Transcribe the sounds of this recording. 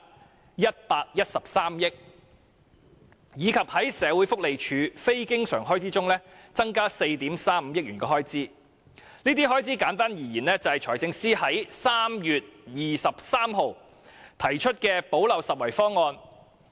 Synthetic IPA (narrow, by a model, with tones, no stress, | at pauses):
jɐ˥t̚paː˧k̚jɐ˥t̚sɐ˨p̚saː˥mjɪ˥k̚ | jiː˨˧kʰɐ˨p̚hɐ˨˥jsɛː˨˧wu˨˥jfʊ˥k̚le˨jt͡ʃʰyː˨˧fe˥jkɪ˥ŋsœː˨˩ŋɦɔː˥jt͡siː˥t͡sʊ˥ŋlɛː˥t͡sɐ˥ŋkaː˥se˧jt̪iː˨˥msaː˥m̩˨˧˦jɪ˥k̚yː˨˩nkɔː˧ɦɔː˥jt͡siː˥ | niː˥t̪iː˥hɔː˥jt͡siː˥kaː˨˥nt̪aː˥njiː˨˩jiː˨˩nlɛː˥t͡sɐ˨˧hɐ˨jt͡ʃʰɔː˨˩jt͡sɪ˧ŋsiː˥hɐ˨˥jsaː˥mjyː˨t̚jiː˨sɐ˨p̚saː˥mɦo˨w | t̪ʰɐ˨˩jt͡ʃʰɵ˥t̚kɛː˧po˨˥wlɐ˨wsɐ˨t̚wɐ˨˩jfɔː˥ŋːɔː˧n